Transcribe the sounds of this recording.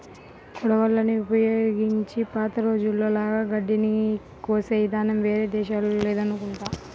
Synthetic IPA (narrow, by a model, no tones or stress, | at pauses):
kɔɽɐʋɐlːɐniupɐjoːɡiɲt͡ʃipaːt̪ɐɾo̞ːd͡ʒulːo̞ːlaːɡaːɡɐɖːini | kːuʋɐsɐjd̪aːnɐmʋe̞ːɾe̞ːd̪ɛːʃaːluleːd̪ɐnukuɳʈaːm